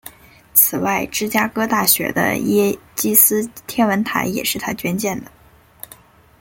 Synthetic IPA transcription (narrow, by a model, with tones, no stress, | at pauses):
t͡sʰɹ̩˨˩wa˥˩ɪʈ͡ʂɻ̩˥t͡ɕja˥kɤ˥t̪a˥˩ɕɥɛ̰˧˥d̪ə̰˧jɛ˥t͡ɕi˥sɹ̩˥t̪ʰjɛ˥nwə˧˥nt̪ʰa̰˧˥ɪjɛ̰˨˩ʂɻ̩˥˩t̪ʰa˥t͡ɕɥɛ˥nt͡ɕjɛ˥˩nd̪ə˩